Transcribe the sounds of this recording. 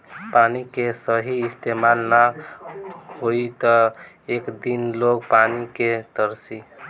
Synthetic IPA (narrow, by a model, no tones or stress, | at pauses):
panikesəɦiːst̪emalna | hoit̪ɔ | ekd̪inloɡpaniket̪əɾsi